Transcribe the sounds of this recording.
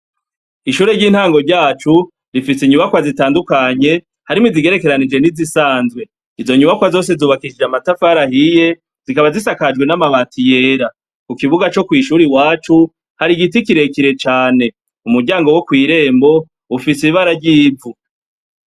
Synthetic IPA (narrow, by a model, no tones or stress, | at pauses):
iʃuːɾeɾɟiːn̥haːŋɡo̞ɾɟaːt͡ʃu | ɾifisiɲuβakwazitaːndukaɲe̞ | haɾimiziɡe̞ɾe̞ke̞ɾanid͡ʒe̞nizisaːnzwe̞ | izo̞ɲuβakwazo̞ːs̬e̞zuːβakiʃid͡ʒamatafaɾahije̞ | z̥ikaβazisakad͡ʒɡwe̞namaβaːntʰije̞ːɾa | kukiβuɡat͡ʃo̞kwiːʃuːɾiwaːt͡ʃu | haɾiɡitikiɾe̞kiɾe̞t͡ʃaːne̞ | umuɾɟaːŋɡo̞wokwiːɾe̞ːmbo̞ | ufisiβaɾaɟiːvu